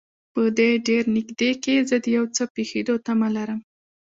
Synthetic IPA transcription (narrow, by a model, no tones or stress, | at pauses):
pəd̪eɖeɾnɪɡd̪ekezəd̪əjawt͡səpexed̪ot̪amalaɾəm